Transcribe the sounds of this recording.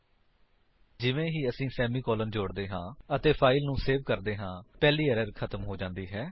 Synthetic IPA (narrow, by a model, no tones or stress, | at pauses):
d͡ʒɪʋẽːɦiːəsĩːsɛːmiːkɔːlənd͡ʒoːɽd̪eːɦãːət̪eːpʰaːɪlnũːseːʋkəɾd̪eːɦãːpɛːliːəɾəɾkʰət̪əmɦoːd͡ʒãːnd̪iːɦɛː